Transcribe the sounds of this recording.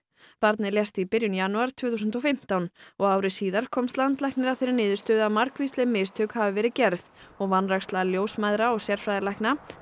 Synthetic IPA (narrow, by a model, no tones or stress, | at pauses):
paɾt̪nɪljɛst̪ipɪɾjʏnjanuaɾ̥t̪ʰv̥ɛːθusʏnt̪̬ɔfɪm̥t̪awnɔɣaːwɾɪsiːðaɾ̥kʰɔmst̪lant̪lajhknɪɾawθejɾɪnɪːðʏ̥st̪ʏðamaɾ̥kvist̪lɪmɪːst̪ʰœkhavɪvɛːɾɪcɛɾðɔɣvanrakst̪laðljoːwsmajðɾaɔɣsjɛɾ̥fɾajðɪlajhkna